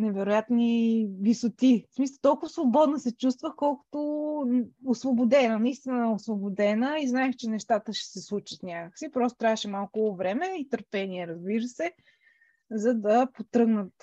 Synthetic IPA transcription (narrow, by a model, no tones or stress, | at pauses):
nɛvɛɾʊjat̪nivisʊt̪ismisəlˠt̪ɔlˠkʊvəsvobɔd̪nɐsɛt͡ʃust̪vəxkɔlˠkʊ̥t̪o | osvobod̪ɛnənɐist̪inəɛosvobod̪ɛnəiznaɛxt͡ʃɛnɛʃt̪at̪əʃɛ̥sɛslˠut͡ʃət̪nʲakəksipɾɔso̥t̪ɾavəʃɛmalˠkʊvɾɛmɛit̪əɾpɛniɛɾɐzbiɾəsɛ | zɐd̪ɐpot̪ɾɤɡnət̪